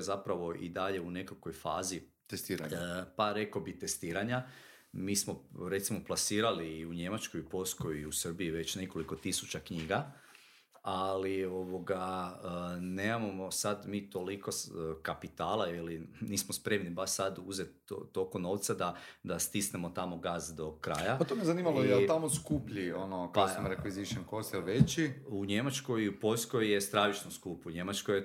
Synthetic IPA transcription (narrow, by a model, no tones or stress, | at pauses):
zapɾaʋo̞ʔḭd̪aʎe̞une̞kakojfa̰ːzi | t̪est̪iːɾaɲpaɾe̞kobit̪est̪iːɾaɲa | miːsmo̞ɾe̞t̪simo̞plˠasiːɾaliːuɲe̞mat͡ʃko̞jupo̞ʎʲskojiusr̩biiʋe̞t͡ɕne̞ko̞liko̞t̪isu̥t͡ɕakɲiːɡa | alio̞ʋo̞ɡa | neːmamamo̞sad̪miːt̪o̞liko̞skapit̪aːlˠailiniːsmospɾe̞mnibaʃsad̪uzet̪ːokono̞ːʋt̪sad̪ad̪ast̪isnemo̞t̪amo̞ɡaːzd̪o̞kɾa̰ːjapat̪omiezaniːmalojelt̪amoskupʎionokaaksamɾekʋiziʃonkost̪elʋet͡ɕiuɲe̞mat͡ʃko̞jiupo̞ʎskojːest̪ɾaʋit͡ʃnoskupuɲe̞mat͡ʃkoj